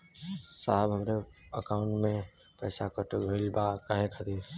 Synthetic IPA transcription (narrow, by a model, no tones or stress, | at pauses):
saːɦəbɦəmɾeəkaːʊ̃ɳʈmẽ | pɛːsakəɾt̪ebʱəɪlbakaɦẽkʰət̪iːɾ